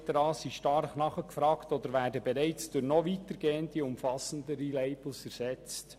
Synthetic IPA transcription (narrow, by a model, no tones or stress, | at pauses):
təɾɑːsiʃtɑɾχnɑχəkfɾɑːktod̪əɾʋæːɾdəbeɾæɪt͡sd̥ʊɾnɔʋiːtəɾɡeːəndiʊmfɑsəndəɾileɪb̥l̩sfɛɾsɛt͡st